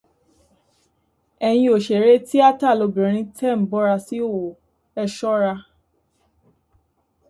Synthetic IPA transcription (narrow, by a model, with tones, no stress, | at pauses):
ɛ˧j̃ĩ˧o˨ʃe˨ɾe˦ti˦a˦ta˦˨lo˧bĩ˨ɾ̃ĩ˧˦tʰɛ˦˨m̩˨˦bɔ˦ɾa˧si˦o˦˨wo˨ | ɛ˧ʃɔ˦ɾa˧